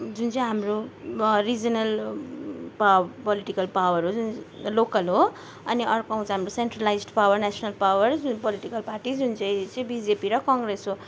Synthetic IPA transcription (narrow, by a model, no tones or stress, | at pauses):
d͡zunt͡sʌ̃ĩɦamrorid͡zʌnʌl | papʌliʈikʌlpawʌɾod͡zunlokʌlɦo | ʌniʔʌrkoɦũt͡sãɦamroseɳʈralajd͡zɖpawʌrnasʰʌnʌlpawʌrd͡zunpʌliʈikʌlparʈid͡zunt͡sʌ̃j̃t͡sʌĩbid͡zepiɾʌkʌŋɡresɦo